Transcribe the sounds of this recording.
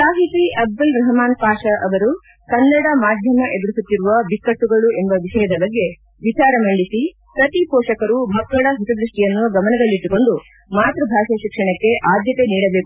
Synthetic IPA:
saːɦit̪iʔɐbːɐlʋɾɐɦɐmaːnpaːʃɐʔɐʋɐɾu | kɐnːɐɽɐmaːd̪ʱjɐmɐʔed̪ɾisut̪ːiɾuʋɐbikːɐʈːuɡɐɭue̞mbɐʋiʃɐjɐd̪ɐbɐɡːe̞ | ʋit͡ʃaːɾɐmɐɳɖisi | pɾɐt̪ipɔːʂɐkɐɾubʱɐkːɐɽɐɦut̪ɐd̪ɾuʂʈijɐnːuɡɐmɐnɐd̪ɐɭːiʈːuko̞ɳɖu | maːt̪ɾɐbʱaːʃɐʃikʂɐɳɐkːe̞ʔaːd̪jɐt̪e̞niːɽɐbeːku

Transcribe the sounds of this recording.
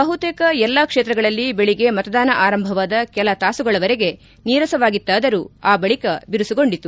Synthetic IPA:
bɐɦut̪eːkɐɛlːaːkʂeːt̪ɾɐɡɐɭɐlːibeɭiɡe̞mɐt̪ɐd̪aːnɐʔaːɾɐmbʱɐʋaːd̪ɐkɛlɐt̪aːsuɡɐɭɐʋɐɾeɡe̞ | niːɾɐsɐʋaːɡit̪ːaːd̪ɐɾuaːbɐɭikɐbiɾusuɡo̞ɳɖit̪u

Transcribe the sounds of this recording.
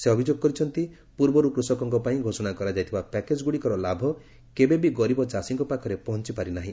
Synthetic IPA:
seɔbʱid͡ʒoɡɔkɔɾit͡ʃʰɔnt̪i | puɾbɔɾukɾusɔkɔŋkɔpaĩɡʱosɔɽakɔɾad͡ʒajt̪ʰibapɛked͡ʒɡuɽikɔɾɔlabʱɔ | kebebiɡɔɾibɔd͡ʒasiŋkɔpakʰɔɾepɔɦɔnt͡ʃipaɾinaɦĩ

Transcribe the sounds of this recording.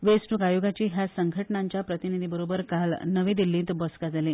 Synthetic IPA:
ʋesʈukajoɡat͡ɕiːɦjasəŋɡʱəʈnãɲt͡ɕjapɾət̪inid̪ʱibəɾobəɾkalnəʋĩːd̪ilːĩːt̪bəskad͡zʱali

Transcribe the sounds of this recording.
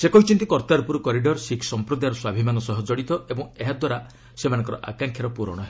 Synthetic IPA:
sekɔɦit͡ʃʰint̪ikɔɾt̪aɾupuɾɔkɔɾiɖɔɾsikʰsɔmpɾɔd̪ajɾɔswabʱimanɔsɔɦɔd͡ʒɔɽit̪ɔʔebɔŋeɦad̪waɾa | semanɔ̃ŋkɔɾɔʔa̰kaŋkʰjaɾɔpuɾɔ̰ɽ̃ɔɦeɔ

